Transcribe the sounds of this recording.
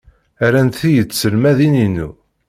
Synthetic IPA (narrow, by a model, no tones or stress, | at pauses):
æɾænt̪θijət͡sːsəlmæðininːṵ